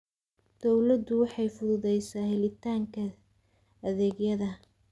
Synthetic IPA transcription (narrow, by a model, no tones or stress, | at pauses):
d̪̥ɔwlɐd̪ʊwɑħɑjfʊðʊðɛjsaːɦɛlɪt̪ʰaːŋkʰɐ | ɐðɛːɡjɐðɐ